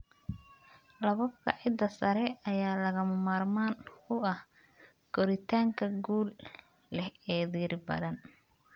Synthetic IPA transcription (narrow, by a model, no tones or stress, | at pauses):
lɐβɐbkʰɐ̰ʕɪd̪ːɐsɐɾɛɐjaːlɐɣɐmɐmaːrmaːnkʰʊɐh | kɔɾɪt̪ʰaːŋkʰɐɡuːlː | ɛhɛːðiːrbɐ̰ðɐn